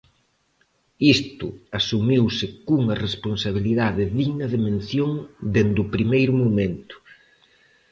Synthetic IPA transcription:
ist̪ʊasumiwsɪkuŋɐresponsaβ̞iliðaðɪðiɣnɐðemẽnθjoŋd̪end̪ʊpɾimejɾʊmomẽnt̪ʊ̥

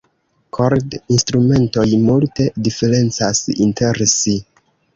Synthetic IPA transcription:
kʰo̞ɾdinstɾume̞nto̞jmulte̞dife̞ɾe̞nt͡sasinte̞ɾsi

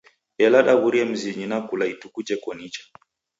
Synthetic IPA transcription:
ɛlaɗaβuɾiɛm̩ziɲinakulaitukut͡ʃɛkɔnit͡ʃḁ

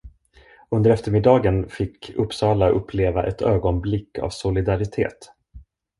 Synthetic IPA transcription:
ɵnd̪əɾɛft̪əɾmɪd̪ːɑːɡənfɪkʰːɵpːsɑːlaʔɵpʰːleːvaʔɛt̪ʰøːɡɔnblɪkːa̰vsʊlɪd̪aɾɪt̪ʰḛːt̪

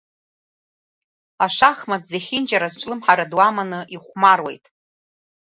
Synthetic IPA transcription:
aʂaχmadzeχʲind͡ʒaɾazʈ͡ʂʷʼlɨmħaɾadwamanɨʔiχʷmarwejtʼ

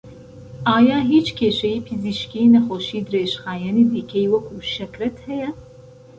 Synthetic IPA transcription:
ʔɑːjɑːɦiːt͡ʃkʰeːʃɛjiːpʰiziʃkiːnɐxoʃiːd̪ɨɾeːʃxɑːjɛniːd̪iːkʰɛjwɐkʰuːʃɛkɾɛt̪hɛjɛ

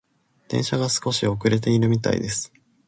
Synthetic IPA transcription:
d̪̥ẽ̞ɰ̃ɕaɡasɨ̥ko̞ɕio̞kɯ̟ɾe̞t̪e̞iɾɯ̟mʲit̪a̰ḭd̪e̞sɨ̥

